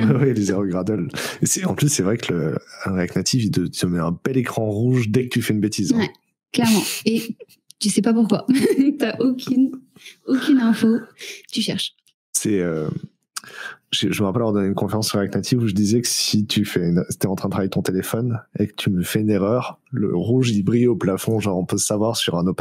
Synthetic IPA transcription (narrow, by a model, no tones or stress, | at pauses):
ɛwɛlizaʁoɡʁad̪ɔlesɛɑ̃plysːɛvʁɛkələãʁaknat̪ʰivid̪ət̪əmɛɛ̃bɛlekχɑ̃ʁuʒd̪ɛkə̥t̪yfɛynbet̪izwɛ | klɛʁmɑ̃e | t̪əsɛpapuʁkwat̪yaʔokʲʰynokʲynɛ̃fot̪yʃɛʁʃ | sɛø | ʒʒəvuʁɛpalœʁd̪ɔneynkɔ̃feʁɑ̃sːyʁɛknat̪ʰivuʒəd̪izɛkə̥sit̪ʰyfɛyn̥t̪ɛɑ̃t̪χɛ̃d̪ət̪χavjet̪ɔ̃t̪elefɔnekə̥t̪ʰyməfɛyneʁœʁ | lə̰ʁuʒlibʁioplafɔ̃ʒɑ̃ʁɔ̃pøsavwaʁsyʁɛ̃nop